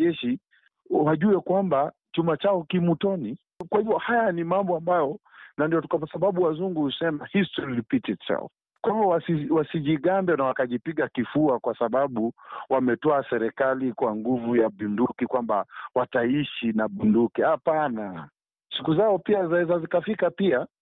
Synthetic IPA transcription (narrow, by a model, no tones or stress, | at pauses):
ɛʃi | waʄuɛkwamba | t͡ʃumat͡ʃaɔkimutɔni | kwahivjɔhajanimambɔambajɔ | nandijɔtukapasaɓaɓuwazuŋɡuhusɛmahistɔɾilipitisa̰ɔ̰ | kwahivɔwasiwasiʄiɠambɛnawakaʄipiɠakifuakwasaɓaɓuwamɛtɔasɛɾɛkalikwaŋɡuvujaɓundukikwambawataiʃinaɓundukihapana | sikuzaɔpiazaɛzazikafikapia